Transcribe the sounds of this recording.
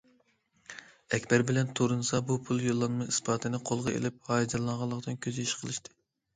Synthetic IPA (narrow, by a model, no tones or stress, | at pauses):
ɛkʲbɛɾbɪlɛnt̪ʰoɾɨnɨsɑbupʰulˠjolˠːɑnmɑɨspʰɑːt̪ʰɨnɨqʰolˠʁɑḛlɪp̚hɑːjd͡ʒ̪ɛlˠːɑɴʁɑlˠːəqd̪ɨnkʲʰøziʃqʰəlˠɨʃt̪ʰɨ̥